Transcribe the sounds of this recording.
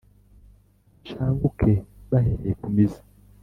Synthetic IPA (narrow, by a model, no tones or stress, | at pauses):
ʃaːβukʰeβaɦeɾekumizḁ